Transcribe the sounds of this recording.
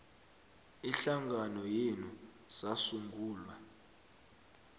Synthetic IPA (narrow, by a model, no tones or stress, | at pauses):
iɬaŋɡʱanɔjenu | z̥asuŋɡuːlwa